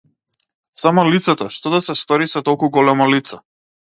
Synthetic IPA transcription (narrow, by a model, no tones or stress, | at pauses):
samɔlit̪sat̪ɔʃt̪ɔd̪asɛst̪ɔɾisat̪ɔlˠkuɡɔlɛmɔlit̪sa